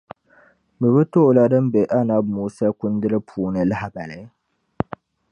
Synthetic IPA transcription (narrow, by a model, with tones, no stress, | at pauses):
bɨ˨bɨ˦to˦˨la˦dɨ˦mbe˨ʔa˦na˦b̚muː˨sa˦kʊ˦ndɨ˦ɾɨ˦pʰuː˨nɨ˨la˦ha˨ba˨la˨˦